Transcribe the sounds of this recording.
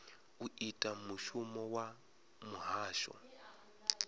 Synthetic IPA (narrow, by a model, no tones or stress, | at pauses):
uitʼamuʃumɔwa | muɦaːʃɔ̰